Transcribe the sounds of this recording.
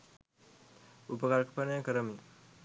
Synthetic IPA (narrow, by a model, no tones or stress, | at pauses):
upəkaɾkʰpənəjəkəɾəmi